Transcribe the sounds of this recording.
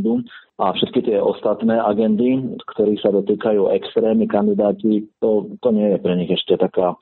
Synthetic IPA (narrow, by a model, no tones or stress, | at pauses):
d̪uʔafʃɛt̪kit̪ɪɛʔɔst̪at̪nɛːʔaɡɛnd̪ikt̪ɔɾiːxsad̪ɔt̪iːkajuːʔɛkst̪ɾɛːmikand̪id̪aːcit̪ɔt̪ɔɲɪɛjɛpɾɛɲiɣɛʃcɛt̪akaː